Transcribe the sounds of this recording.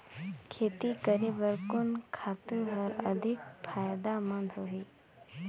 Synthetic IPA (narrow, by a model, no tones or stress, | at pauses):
kʰeːt̪ikəɾebəɾkʊnkʰaːt̪uɦɔɾə̰d̪ʱɪk̚ | pʰaːjd̪amə̃nd̪ʱɦoɦi